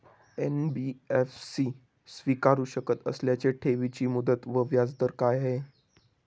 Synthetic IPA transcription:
enbiefsiː | sʋikaɾuːɕəkət̪ə̰sljat͡seʈʰeʋit͡ɕiːmud̪ət̪ʋəʋjad͡zd̪əɾkajɦe

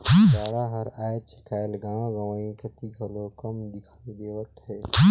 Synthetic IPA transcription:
baːɽaɦɐɾaːjt͡ʃɪ̥kaːjlɡãːwãɡɐʋãːĩkɐt̪iɡʱɐlokɐmd̪ɪkʰaːid̪eːʋət̪ɦɛː

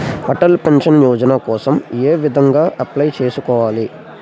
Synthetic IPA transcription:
hɐʈɐlpenʂɐnjɔːd͡ʒɐnakɔːsɐmeːʋid̪ʱɐŋɡaːʔɐplɐjt͡ʃeːsukɔːʋaːli

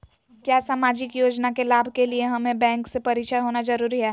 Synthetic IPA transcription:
kjaːsaːmaːd͡ʒɪkjoːd͡ʒnakelaːbʱkelieɦɐmẽbɛ̃ːŋksepɐɾiːt͡ʃʰəɦoːnazɐɾuːɾiɦɛː

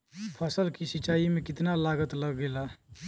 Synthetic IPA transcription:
pʰəsəlkisit͡ʃːaimekɪt̪nalaɡət̪ləɡːela

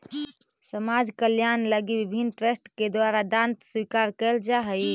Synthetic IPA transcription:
səmad͡ʒkəljanləɡibibʱinːʈɾesʈked̪waɾad̪ãnt̪swikaɾkɛld͡ʒaɦəj

